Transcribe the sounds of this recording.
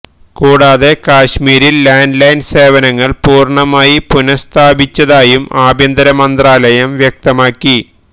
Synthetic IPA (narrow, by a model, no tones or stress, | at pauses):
kuːɽaːðe̞kaːɕmiːɾilːaːnɖlɐjnse̞ːʋɐnɐŋːɐɭpuːrɳɐmaːjipunɐst̪ʰaːbit͡ɕːɐðaːjumaːbʱjɐnd̪ɐɾɐmɐnd̪raːlɐjɐmʋjɐk̚t̪ɐmaːkːi